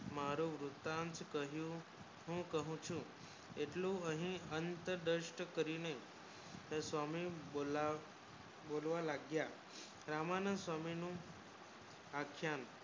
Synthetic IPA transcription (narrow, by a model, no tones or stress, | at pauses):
maɾũʋɾut̪ant͡ʃkəɦjũ | ɦũkəɦũt͡ʃʰũ | eʈlũəɦĩənt̪əd̪əʃʈkəɾine | sʋamibola | bolʋalaɡja | ɾamanəsʋaminũ | akʰjan